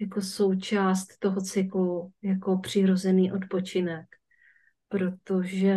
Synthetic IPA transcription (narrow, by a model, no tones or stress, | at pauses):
jako̞so̞wt͡ʃaːst̪ːo̞ɦot͡sɪkujako̞pr̝̥ɪɾo̞zɛniːʔo̞t̪po̞t͡ʃɪnɛk | pɾo̞t̪oʒɛ